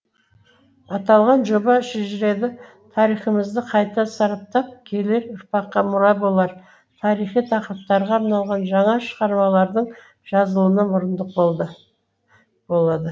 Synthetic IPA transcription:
ɑt̪ɑlˠʁɑnʒo̞bɑʃeʒɪɾe̞d̪ɪ | t̪ʰɑɾijχəməzd̪əqʰɑjt̪ɑsɑɾɑp̚t̪ɑp̚kʲʰe̞le̞ɾʊɾpɑqːɑmʊɾɑjbo̞lˠɑɾ | t̪ʰɑɾijχijt̪ʰɑqəɾəp̚t̪ɑɾʁɑːɾnɑlˠʁɑnʒɑɴɑʃəʁɑɾmɑlˠɑɾd̪əɴ | ʒ̥ɑzəlˠənəmʊɾənd̪əq̚bolˠd̪ə | bolˠɑd̪ə

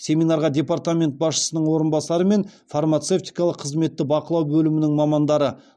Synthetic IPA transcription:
sʲe̞mʲinɑɾʁɑdʲe̞part̪amʲe̞nt̪̚bɑsʃə̥sənəɴwo̞ɾənbɑsɑɾəme̞nfarmat̪se̞ft̪ijkɑlˠəqʰəzme̞t̪ːɪbɑqəlˠɑwbɵlɪmɪnɪŋmɑmɑnd̪ɑɾə

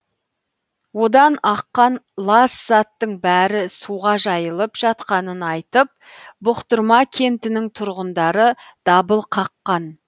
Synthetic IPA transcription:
wo̞d̪ɑnɑqːɑnlˠɑsz̥ɑt̪ːəɴbæɾɪsuʁɑʒɑjəlˠəpʒ̥ɑt̪qɑnənɑjt̪əp̚ | bʊqt̪əɾmɑkʲʰe̞nt̪ɪnɪŋt̪ʰʊɾʁənd̪ɑɾəd̪̥ɑbəlˠqʰɑqːɑn

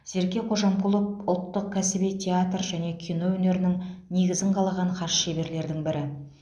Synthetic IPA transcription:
ze̞ɾkʲe̞qʰo̞ʒɑmkʰulˠəp̚ʊlˠt̪ːəq̚kʲʰæsɪbejt̪ʲʰe̞at̪rʒæne̞kʲʰijno̞wɵne̞ɾɪnɪŋne̞ɡʲɪzɪɴqʰɑlˠɑʁɑɴqʰɑʃʃe̞be̞ɾle̞ɾd̪ɪŋbɪɾɪ

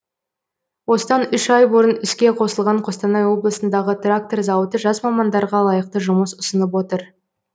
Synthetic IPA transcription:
wo̞sət̪ɑnʏʃɑjboɾənʏskʲe̞qʰo̞səlˠʁɑɴqʰo̞st̪ɑnɑjwo̞blˠəsənd̪ɑʁət̪rak̚t̪o̞rzɑwət̪əʒɑzmɑmɑnd̪ɑɾʁɑlˠɑjəq̚t̪əʒʊməsʊsənəp̬wo̞t̪əɾ

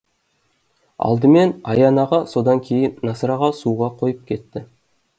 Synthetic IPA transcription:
ɑ̰lˠd̪əme̞nɑjɑnɑʁɑso̞d̪ɑŋkʲʰe̞jɪnːɑsɾɑʁɑsuʁɑqʰo̞jəp̚kʲʰe̞t̪ːɪ

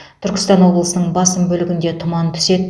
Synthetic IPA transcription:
t̪ʰʏɾkʲɪ̥st̪ɑnwo̞blˠəsənəɴbɑsəmbɵlɪɡʲɪnd̪e̞t̪ʰʊmɑnt̪ʰʏ̥se̞d̪ɪ

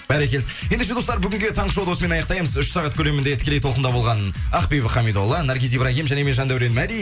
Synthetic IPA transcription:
b̥æɾekʲelɪje̞nd̪eʃ̬e̞d̪o̞st̪ɑɾbʏɡʲɪŋɡʲe̞t̪ʰɑɴəʃowd̪osəme̞nɑjɑqt̪ɑjməzʏʃsɑʁɑt̪̚kʲʰɵle̞mɪnd̪et̪ʰɪ̥kʲelejt̪ʰolˠqənd̪ɑbo̞lˠʁɑnɑqpijbəχɑmid̪olˠːənɑɾɡʲizijbɾɑɡʲijmʒæne̞me̞nʒɑnd̪æwɾe̞nmæd̪ij

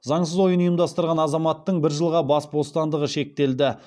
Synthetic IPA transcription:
zɑɴsəzwo̞jənijəmd̪ɑst̪əɾʁɑnɑzɑmɑt̪ːəɴbɪɾʒəlˠʁɑbɑsbo̞st̪ɑnd̪əʁəʃe̞k̚t̪e̞ld̪ɪ

